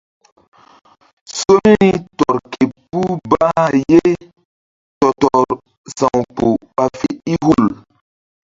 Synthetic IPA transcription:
so˦mi˦ni˦tɔ˨ɾke˨pu˦baː˦je˦ | tɔ˨tɔ˨ɾ | sã˨wk͡po˨ɓa˨fe˨i˦hu˦˨l

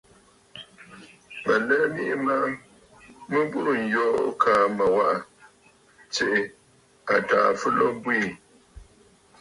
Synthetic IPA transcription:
ma˨lɛ˦mi˦ʔɪ˦ma˦ | mɨ˦bu˦ʔʊ˨n̩˨jɔː˦ʔkʰaː˦ma˨wa˦ʔa˨ | t͡ʃɪ˨ʔɪ˨ | a˨taː˨fɨ˦lɔ˦bwi˦˨

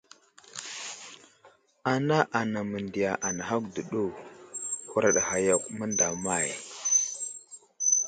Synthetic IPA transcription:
a˨na˦ʔa˨na˨mə˨ndi˨ja˨ʔa˨na˨ɦa˦kdə˨ɗu˦˨ | hu˨ɾa˨ɗha˨ja˨kmə˦nda˨ma˦˨j

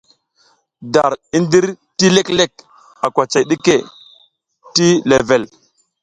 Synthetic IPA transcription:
da˨ɾi˦ndi˦ɾ | ti˦le˦kle˦k̚ | a˨kʷa˨t͡ʃa˨jɗi˦ke˦˨ | ti˦le˨ve˨l

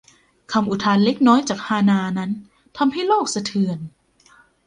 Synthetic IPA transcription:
kʰa˧mʔu˨˩t̪ʰaː˧nle˦˥k̚nɔː˦˥jt͡ɕaː˨˩k̚haː˧naː˧na˦˥n | t̪ʰa˧mha˥˩jloː˥˩k̚sa˧t̪ʰɯ˧ən

